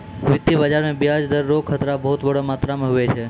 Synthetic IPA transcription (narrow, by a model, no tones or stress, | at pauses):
ʋɪt̪ːibəd͡ʒaɾmẽbjad͡ʒd̪əɾːokʰət̪ɾabəɦut̪bəɽomat̪ɾamẽɦuʋet͡ʃʰe